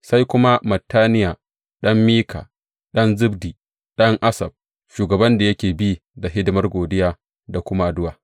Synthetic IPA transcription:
sa˦jkʷʊ˦ma˦mɐ˨tːaː˦nɪ˦jaː˨ | ɗɐ˦mːiː˦kʰa̰ː˨ | ɗɐ˦nzɪ˦bdiː˨ | ɗɐ˦ŋʔa˦sɐ̰˨b̚ | ʃuː˨ɡɐ˨bɐ˦nda˨jɐ˦kʲeː˨bi˦da˨ɦɪ˦dɪ˦mɐ˦rɡʷoː˨dɪ˦jaː˦ | da˨kʷʊ˦ma˦dʊ˦waː˨

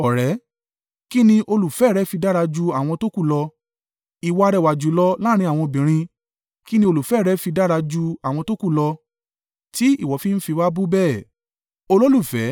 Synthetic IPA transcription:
ɔ˨ɾɛ˨˦ | ki˦nĩ˧ʔo˧lu˨fɛ˨˦˨ɾɛ˨˦fi˧da˦ɾa˧d͡ʒu˧a˨w̃ɔ̃˧to˦ku˦˨lɔ˧ | i˨wɔ˧a˧ɾɛ˨wa˨d͡ʒu˨˦lɔ˦laː˦ɾ̃ĩ˧˦a˨w̃ɔ̃˧bĩ˨ɾ̃ĩ˧ | ki˦nĩ˦o˧lu˨fɛ˨˦˨ɾɛ˨˦fi˧da˦ɾa˧d͡ʒu˧a˨w̃ɔ̃˧to˦ku˦˨lɔ˧ | ti˦ḭ˦˨wɔ˨˦fi˦n̩˦fi˧wa˦bu˦bɛː˦˨ | o˧lo˦lu˦˨fɛ˨˦

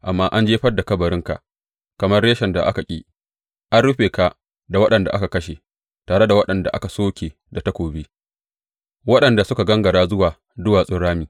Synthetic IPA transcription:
ʔa˨mːaː˦ʔa˦nd͡ʒeː˦ɸɐ˦da˨kɐ˦bɐ˨ɾɪ˦ŋka̰˨ʔ | kɐ˨mɐ˦rɽeː˦ʃɛ˨nda̰˨ʔa˦ka˨kʲʼḭː˦ | ʔa˦nɽʊ˦ɸeː˨ka˨ | da˨wɐ˦ɗɐ˨nda̰˨ʔa˦ka˨kɐ˦ʃe˨ | taː˨ɽe˦da˨wɐ˦ɗɐ˨nda̰˨ʔa̰˦ka˨soː˦kʲeː˨ | da˨tɐ˦kʷoː˨biː˦ | wɐ˦ɗɐ˨nda˨sʊ˦ka˨ɡɐ˦ŋɡɐ˨ɽaː˦zʊ˦waː˨ | dʊ˦waː˨sʼɪ˦ɽaː˦miː˨

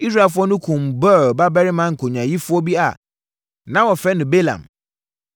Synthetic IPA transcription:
i˦s̬ɾa˨fʊ˦ɔ˦nʊ̃˦kʰʊ̃˨mbɔ˦˨ba˦bɛ˦ɾɪ˦mã˦ŋ̩˨kʰo˨ɲã˨ji˦fʊ˦ɔ˦bi˦a̰˨ | nã˦wɔ˨fɛ˦nʊ̃˨be˦lã̰˨m

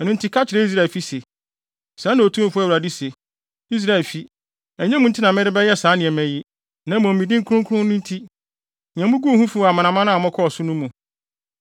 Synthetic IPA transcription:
ɛ˨nʊ̃˦ntʰi˦kʰa˦t͡ɕʰɪ˨ɾe˦i˦s̬ɾa˦˨lfi˦se˨ | sãː˨˦nã˨o˨tʰũ˦fʊ˦ɛ˦wɾa˨di˦se˨ | i˦s̬ɾa˨e˨lfi˦ | ɛ˨ɲɛ̃˦mũ˦n̩˦tʰɪ˦nã˨mɪ̃˦ɾɪ˦bɛ˦jɛ˦saː˨˦nɪ̃˨ɛ˨mɛ̃˨jɪ˦ | nã˨˦mɔ̃˨m˨mĩ˨dɪ̃˦ŋ̩˦kʰʊ̃˦ŋkʰʊ˦ʊ̃˦nʊ̃˦n˦tʰi˦ | ɲãɛ̃˨mũ˦ɡu˦˨hũ˦fu˦˨a˨mã˨nã˨˦mã˦nã˦a˨mɔ̃˦kʰɔ˦ɔ˨sʊ˦nũ˦mũ˨

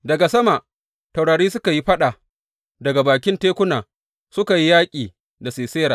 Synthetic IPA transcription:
dɐ˨ɡa˨sɐ˦ma˨ʔ | tɐ˨wɽaː˨ɽiː˦sʊ˦ka˨ji˦ɸɐ˦ɗa˨ | dɐ˨ɡa˨baː˨kʲɪ˦nteː˦kʷʊ˦naː˨ | sʊ˦ka˨ji˦jaː˦kʲʼiː˨ | da˨seː˨seː˦ɽaː˨

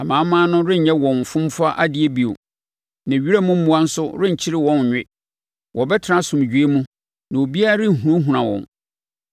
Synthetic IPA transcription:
a˨mãː˨˦m˦mãː˦nʊ̃˦ɾɪ̃˦ɲ̩˨ɲɛ̃˦wɔ̃˨ɱ˨fʊ̃˦mfa˦ʔa˦dɪ˨˦e˦bi˨o̰˨ | nã˨ɥi˦ɾa˦mũ˦m̩˦mũ˦a˦n̩˦sʊ˦ɾɪ̃˦ɲ̩˨t͡ɕʰɪ˦ɾɪ˦wɔ̃˦n˨ɲᶣɪ̰˦ | wʔɔ˨bɛ˦tʰɪ˨ɾã˦sʊ̃˨m˨d͡ʑᶣɥe˦mũ˦ | nã˨o˨bi˦a˦a˦ɾɪ˦˨ɦũ˨ɾã˦ɦũ˨ɾã˨wɔ̰̃˨n

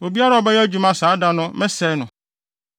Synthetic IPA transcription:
o˨bi˦a˦ɾa˨ɔ˨bɛ˦jd͡ʑu˨mã˦saː˨˦da˦nʊ̃˦mɛ̃˦sɛ˨˦nʊ̃˨

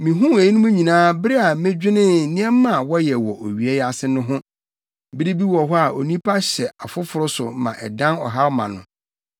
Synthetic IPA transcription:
mĩ˨ɦũ˦e˨i˦nʊ̃˦mũ˦ɲĩ˨nãː˦bɪ˦ɾi˦a˨mẽ˦d͡ʑᶣɪ˦nɪ̃˦˨nɪ̃˦ɛ˦mːã˦˨wɔ˦jɛ˨wɔ˨ʔo˨ɥi˨e˦ja˦˨sɪ˦nʊ̃˦ɦʊ̃˦˨ | bɪ˦ɾi˦bi˦wɔ˨ɦɔ˦a˨o˨nĩ˦pʰa˦ɕɛ˨a˨fʊ˦fʊ˨ɾʊ˦sʊ˨mã̰˨ʔɛ̰˨dã˦nɔ˨ɦa˦wmã̰˨nʊ̰̃˨

